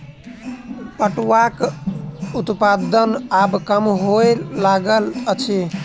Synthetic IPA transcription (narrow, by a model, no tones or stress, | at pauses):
pəʈwak | ut̪pad̪ənabkəmɦoeːaɡələt͡ʃʰe